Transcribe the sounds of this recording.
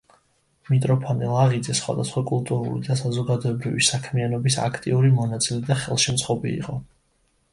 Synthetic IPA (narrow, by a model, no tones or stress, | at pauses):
mit̪ʼɾɔpʰɔnilˠaʁid̪zɛsχwa̰d̪asχwakʼulˠt̪ʼuɾṵlḭd̪asazɔɡad̪ɔɛbɾivisakʰmianɔbisa̰kʰt̪ʼiuɾimɔnat̪sʼilɛd̪aχɛlˠʃɛmt̪sʰχɔbḭːqʼɔ